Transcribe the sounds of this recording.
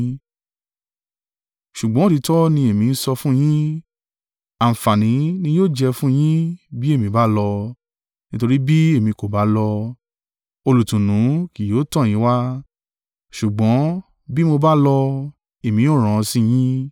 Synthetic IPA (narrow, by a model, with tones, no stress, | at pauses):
ʃu˨ɡ͡bɔ̃˨˦ti˨˧˦tɔ˦nĩ˧e˨mĩ˧n̩˦sɔ˧fũ˦j̃ĩ˦ | a˨fa˨nĩ˨˦nĩ˧joː˦˨d͡ʒɛ˧fũ˦j̃ĩ˦bi˦e˦˨mĩ˧ba˦lɔ˧ | nĩ˦to˧ɾi˦bi˦e˦˨mĩ˧ko˨ba˨˦lɔ˧ | o˧lu˨tũ˨nũ˨˦ki˨joː˨˦tɔ̃˦˨j̃ĩ˦wa˦ | ʃu˨ɡ͡bɔ̃˨˦ | bi˦mo˧ba˦lɔ˧ | e˨mĩ˧˦o˦˨ɾ̃ɔ̃˨˧sĩ˦j̃ĩ˦